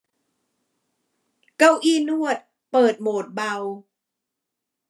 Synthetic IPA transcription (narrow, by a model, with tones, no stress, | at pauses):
ka˥˩wʔiː˥˩nu˥˩ət̪̚ | pɤː˨˩t̪̚moː˨˩t̪̚ba˧w